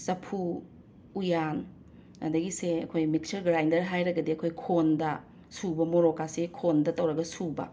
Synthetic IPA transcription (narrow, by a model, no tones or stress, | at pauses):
sɐpʰuː | jan | ɐ̰dɐɡiseɐkʰojmik̚sɐɾɡɾajndɐɾɦajɾɐɡɐdiɐkʰojkʰondɐ | subɐmoɾokasekʰondɐtɐwɾɐɡɐsubɐ̰